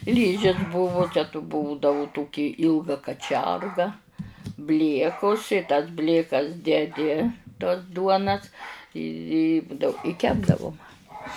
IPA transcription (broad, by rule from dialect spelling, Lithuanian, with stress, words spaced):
ˈlʲiːʒʲɪs ˈbʊʋʊ ˈt͡ʃʲɛ tuː ˈbuːdɐʋʊ ˈtoːkʲɪ ˈiːlˠɡɐ kɐˈt͡ʃʲɛrɡɐ ˈbʲlʲiɛkʊs ɪ tɐs ˈbʲlʲeːkɐs dʲɛˈdʲɪ tuɔs ˈduɔnɐs ɪ ɪ ˈbʊdɐʋʊ ɪ ˈkʲæːbdɐʋʊ ˈmɑːmɐ